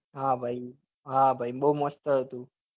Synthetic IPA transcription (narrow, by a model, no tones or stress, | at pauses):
ɦãbʱai | ɦãbʱaiɓəɦuməst̪əɦət̪ũ